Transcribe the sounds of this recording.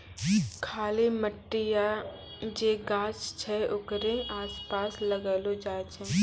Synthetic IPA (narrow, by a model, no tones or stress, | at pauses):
kʰaːliməʈːija | d͡ʒeːɡãːt͡ʃt͡ʃʰɛʔʊkɾẽŋaːspaːsləɡaːlod͡ʒaːt͡ʃẽː